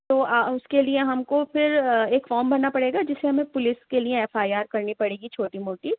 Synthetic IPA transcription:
t̪oːʊskelieɦɐmkopʰɪɾeːkfɔːɾmbɐnːapɐɽeːɡad͡ʒɪsːeɦɐmẽpʊlɪskelieɛːfaːiaːɾkɐɾnipɐɽeːɡit͡ʃʰoːʈimoːʈi

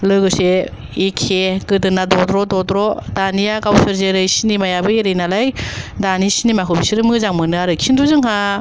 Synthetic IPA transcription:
lɯjɡɯse | ikʰeɡɯdɯnːadɔdɾɔdɔtɾɔdanijakawsɯɾzeɾɯjsinimajabɯeɾɯjnalajdanisinimakʰobisiɾɯmɯzaŋmɯnɯaɾɯkʰinduzɯŋɦa

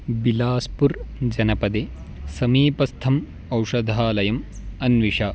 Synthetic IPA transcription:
bilaːspuɾd͡ʒɐnɐpɐd̪e | sɐmiːpɐst̪ʰɐm | ɐwʂɐd̪ʱaːlɐjɐmɐnʋiʂaː

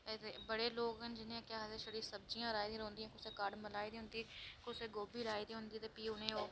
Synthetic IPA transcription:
ɛebəɽeːloːɡɦənd͡ʒɪnẽkjaːɦzeʃəɾiːɾsəb̚d͡ʒijãːɾaːid̪ĩːɾõːnd̪ijãːkʊt͡ʃsekaːɽməlaːid̪ĩːɦʊ̃nd̪iːkʊt͡ʃseɡoːbiːlaːid̪iːɦʊ̃nd̪iːt̪epiːʊnẽːoː

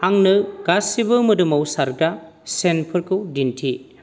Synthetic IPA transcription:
haŋnɯɡ̥asibɯmɐdumɐwsaɾɡa | senpʰɐɾkʰɯwdintʰi

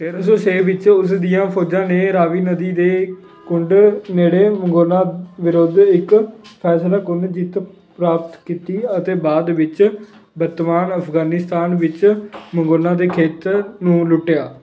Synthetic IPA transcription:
pʰɪɾs̬oːt͡ʃʰeːʋɪt͡ʃʊsd̪ijãːpʰoːd͡ʒãːneːɾaːʋiːnəd̪iːd̪eː | kʊɳɖneːɽeːməŋɡoːnãːʋɪɾoːd̪ɪkpʰɛːslaːkʊɳɖd͡ʒɪt̪ | pɾaːpət̪kiːt̪iːət̪eːbaːd̪ʋɪt͡ʃ | bəɾt̪maːnəpʰɡaːnɪst̪aːnʋɪt͡ʃməŋɡoːnãːd̪eːkʰeːt̪nũːlʊʈːejaː

